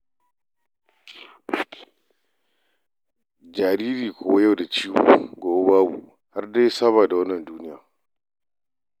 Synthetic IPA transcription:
d͡ʒa˨ɾiː˦ɾiː˨kʰo˨wja˦˨da˨t͡ʃi˦bṵ˨ɡoː˨wbaː˦bṵ˨ | ha˦ɾda˦jsa˦βa˨da˨wɐ˦nːɐ˨nduː˦ni˦ja˨

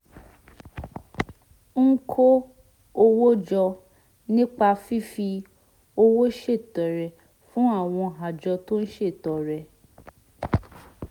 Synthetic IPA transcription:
ŋ̩˦kʰo˦ | o˧wo˦d͡ʒɔ˧ | nĩ˦k͡pa˧fi˦fi˧ | o˧wo˦ʃe˦˨tɔ˨ɾɛ˨ | fũ˦a˦˨w̃ɔ̃˧ɦa˨d͡ʒɔ˧to˦n̩˦ʃe˦˨tɔ˨ɾɛ˨

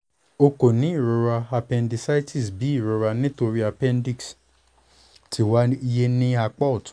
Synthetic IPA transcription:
o˧ko˨nĩ˦i˦˨ɾo˧ɾa˧a˧pɛ̃˧ndi˧sa˦i˦tʰi˦˨sbi˨˦i˦˨ɾo˧ɾa˧nĩ˦to˧ɾi˦a˧pɛ̃˦ndi˦˨ks | ti˨˦wa˦je˦nĩ˦a˧k͡pɔ˦ɔ˨tũ̥˨˦

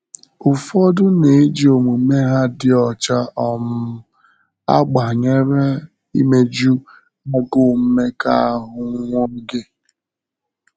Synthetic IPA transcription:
ʊ˨fɔ˦dʊ˦ne˨˦d͡ʒi˨o˨mu˨˦me˦ɦa˦dɪ˦ɔ˨t͡ʃa˦ɔ˨m̩˦ | a̰˦ɡ͡ba˨ɲe˦ɾe˦ | i˦me˦d͡ʒu˦ | ma˦ɡo˦˨m̩˦me˦ka˨a˦ɦʊ˨ŋ˦ŋʷo˦ŋ̩˦ɡe˦˨

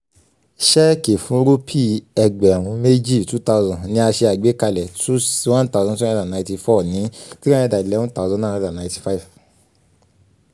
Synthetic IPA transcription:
ʃɛ˦ke˨fũ˦ɾo˦pʰi˦˨ɛ˧ɡ͡bɛ˨ɾ̃ũ˨˧˦me˦d͡ʒi˦˨tu˦ta˧u˧zɔ̃˨nĩ˧˦a˧ʃe˧a˨ɡ͡be˨˦ka˧lɛ˨tu˦si˦wã˦ta˦zɔ̃˧˦tũ˦˨dã˨nã˧˨˦ti˧fɔ˦˨nĩ˨˦ti˦ɾã˦ĩ˧˨da˨i˨lɛ̃˨˦ɔ̃˦ta˦˨˧zɔ̃˧˦nã˦˨˧dã˨nã˨˧˦ti̥˧fa˦˨v

